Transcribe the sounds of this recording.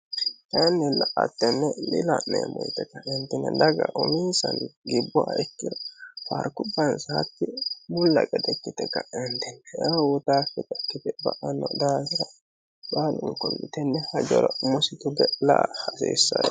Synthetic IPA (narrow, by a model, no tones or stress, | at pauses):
t̪ɐnːɛlɐʔɐt̪ːɛnːɛlɪlɐnːḛmɔjt̪ɛkːɐʔɪnt̪ɪnːɛ̰d̪ɐɡɐʔʊmiːsɐnɡɪbːʊaɛkːɪɾɐfɐ̰ɾkʊbːɐnsaːt̪ːɪbʊlːɐ̰kʼɐd̪ɛkːɪt̪ɛkːɐɪnt̪ɪnːɛawʊt̪aːkːɪt̪ɐkːɪt̪ɛbɐʔɐnːɔd̪aːsɪɾɐ | baːlʊŋkɔlːɪt̪ɛnːɛhɐd͡ʒɔɾɐmʊsɪt̪ʊbɛlahɐsḭːsːɐj